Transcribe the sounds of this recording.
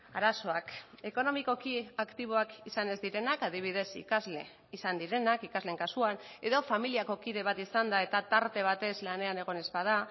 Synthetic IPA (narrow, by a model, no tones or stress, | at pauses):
aɾaso̞ak | e̞ko̞no̞miko̞kiakt̪iβ̞o̞akisane̞zd̪iɾe̞nakað̞iβ̞ið̞e̞sḭkazle | isand̪iɾe̞nakikazleŋkasuan | e̞ðo̞familiako̞kiðe̞β̞at̪isand̪ae̞t̪at̪aɾt̪e̞β̞at̪e̞zlane̞aneɣ̞o̞ne̞zpað̞a